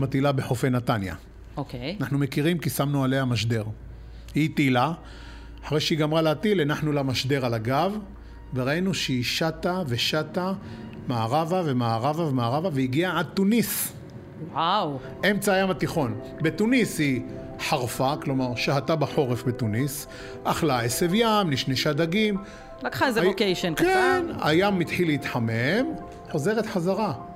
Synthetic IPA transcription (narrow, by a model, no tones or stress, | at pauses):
mat̪ilabeħofenat̪anja̰ | okeanaħnume̞kiʁimkisamnualejamaʃd̪e̞ʁ | hit̪ila | aħaʁejʃeiɡamʁaleat̪ilenaħnulamaʃd̪e̞ʁalaɡav | veʁainuʃeiʃat̪ave̞ʃat̪a | maaʁavave̞maːʁavavemaːʁavaveiɡiaʕad̪̚t̪unis | waw | ʔe̞mt͡saːjamat̪iχo̞n | bet̪unishi | ħaʁfaklo̞maʁʃaɦat̪abaħo̞ʁefbet̪unis | ʔaχlaesevjamliʃneʃad̪aɡim | lakaaezekejʃonkena̰jamːit̪ħileit̪ħamem | ħo̞ze̞ʁet̪ħazaʁa